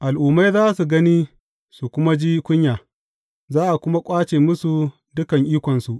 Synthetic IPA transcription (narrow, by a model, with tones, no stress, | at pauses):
ʔa˨lʔuː˨mːa˦jzaː˦su˨ɡɐ˦ni˦ | su˨kʷʊ˦ma˦d͡ʒiː˦kʷʊ˦ɲjaː˨ | zaː˦ʔa˨kʷʊ˦ma˦kʷʼaː˦t͡ʃeː˨mʊ˦su˨ | dʊ˦kɐ˨ŋʔiː˦kʷɔ˨nsu˨ʔ